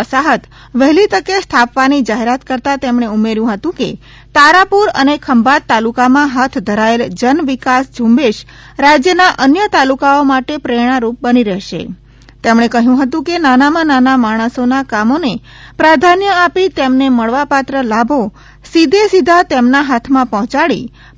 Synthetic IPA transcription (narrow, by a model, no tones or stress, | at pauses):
əsaɦət̪ | ʋəɦlit̪əkest̪ʰapʋanid͡ʒaɦeɾat̪kəɾt̪at̪emɽ̃eumeɾjũɦət̪ũke | t̪aɾapuɾə̰nekʰəmbat̪ːalukamãɦat̪ʰd̪ʱəɾaeld͡ʒənʋikasd͡ʒʱũmbeʃ | ɾad͡ʒjənaʔənjət̪alukaomaʈepɾeɽ̃aɾup̚bəniɾəɦʃḛ | t̪emɽ̃ekəɦjũɦət̪ũkenanamãnanamaɽ̃əsonakamone | pɾad̪ʱanjəapit̪emneməɭʋapat̪ɾəlabʱo | sid̪ʱesid̪ʱat̪emnaɦat̪ʰmãpɔɦɔ̃t͡ʃaɭḭ